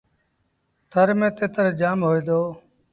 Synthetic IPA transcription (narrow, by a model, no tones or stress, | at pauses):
t̪ʰəɾmẽːt̪eːt̪əɾd͡ʒaːmɦoːiːd̪oː